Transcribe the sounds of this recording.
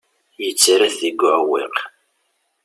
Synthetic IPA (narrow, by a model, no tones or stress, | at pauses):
jət͡sːɾæθiɡʊʕwḭq